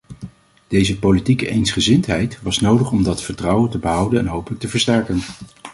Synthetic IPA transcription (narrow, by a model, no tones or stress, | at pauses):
d̥ejzəpolitikəʔejnsχəzɪntɦɛjtʋɑsnowdəχɔmdɑtfəɹtrʌwətəbəɦʌwdənɛnɦowpələk̚təvəɹstɛɹkən